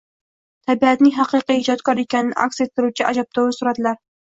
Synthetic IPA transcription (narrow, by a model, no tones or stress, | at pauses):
t̪ʰabiat̪nɪŋɦɑqɨqɨjhɪd͡ʒɒt̪kʰɒɾekʲanɪnɪ̰ʔa̰kset̪̚k̪ːɪɾuwt͡ʃʰɪʔa̰d͡ʒap̚t̪ʰɒwasʊɾad̪ɪlaɾ